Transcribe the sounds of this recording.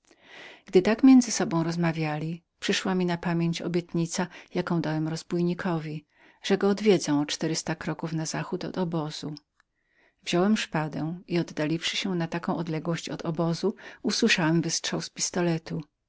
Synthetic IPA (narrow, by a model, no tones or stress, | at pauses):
ɡ̥d̪ɘt̪akmʲjɛnd̪zɘsɔbɔ̃w̃ɾɔzmavʲjalʲi | pʂɘʂwamʲinapamʲjeɲt͡ɕɔ̰bʲjet̪ɲit̪sajakɔ̃w̃d̪awɛmɾɔzbujɲikʰɔvʲi | ʐɛɡɔːd̪vʲjɛd̪zɛ̃w̃ɔt͡ʂt̪ɛɾɘst̪akɾɔkufnazaxut̪ɔ̰d̪ɔbɔz̥u | vʑɔwɛmʂpad̪ɛ̃iɔd̪ːalʲifʂɘɕɛnat̪akɔ̃w̃ʔɔd̪lɛɡwɔɕt͡ɕɔd̪ɔbɔzuuswɘʂawɛmvɘstʂawspʲist̪ɔlɛt̪u